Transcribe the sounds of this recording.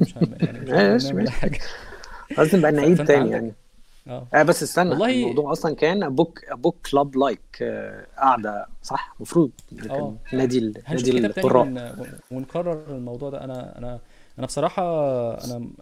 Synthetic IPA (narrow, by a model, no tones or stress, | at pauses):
mæːæʃmææːʃæ | ɑt̪nebʔænːaʕiːd̪̚t̪æːnijaʕni | ʔæːbæsːesːænmɑwd̪ˤuːʕʔɑsˤlɑnkæːnʔæbuːkʔæbuːkːlɑblɑjkʔaʕd̪æsˤɑħmɑfɾuːd̪̚ˤenːækænnːæːd̪ilːæːd̪iqːorˤːɑːʔwenkɑrˤːeɾelmɑwd̪ˤuːʕd̪æ̰ʔænæʔæ̰næʔænæsˤɑɾˤɑːħɑʔæ̰næ